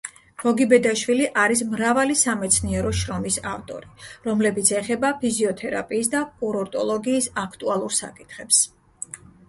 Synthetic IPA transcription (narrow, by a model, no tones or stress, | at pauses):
ɡ̥ɔɡibɛd̪aʃwiliʔaɾis̬mɾavalisamɛt̪sʰniɛɾɔʃɾɔmisa̰ft̪ʼɔ̰ɾiɾɔmlɛbit̪sʰɛχɛbapʰiziɔt̪ʰɛɾa̰pʼiːsd̪akʼuɾɔɾt̪ʼɔlˠɔɡiːsakʰt̪ʼualˠuɾsa̰kʼit̪ʰχɛps